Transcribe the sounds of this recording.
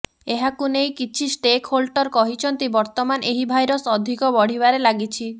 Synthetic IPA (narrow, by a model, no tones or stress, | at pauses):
eɦakunejkit͡ʃʰisʈekʰholʈɔɾkɔɦit͡ʃʰɔnt̪ibɔɾt̪ɔmanʔeɦibʱajɾɔsɔd̪ʱikɔbɔɽ̤ibaɾelaɡit͡ʃʰi